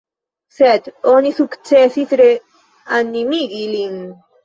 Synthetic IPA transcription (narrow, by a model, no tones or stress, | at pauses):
set̪onisukt͡sesit̪ɾe | animiɡiliŋ